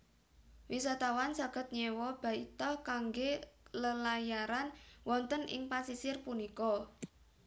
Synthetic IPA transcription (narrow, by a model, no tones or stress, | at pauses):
wisat̪awansaɡ̥ə̤t̪̚ɲɛwɔb̥a̤it̪ɔkaŋɡeləlajaɾanwɔnt̪ənɪ̰ŋpasisɪrpunikɔ